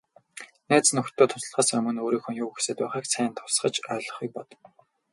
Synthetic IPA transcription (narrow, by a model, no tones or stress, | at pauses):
næːt͡snɵxt̪ʰːoːt̪ʰʊ̥sə̆ɮχaːsɵmɵ̆noːɾiːxɵnjuːxe̥seːt̪pæːχiːkst͡sʰæːnt̪ʰʊ̥sχə̆t͡ɕœːɮɞ̆χiːk̚pɔt̪